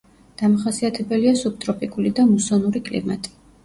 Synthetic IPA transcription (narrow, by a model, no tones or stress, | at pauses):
d̪̥amaχasiat̪ʰɛbɛliasup̚t̪ʼɾɔpʼikʼulid̪amusɔnuɾikʼlḭma̰t̪ʼi̥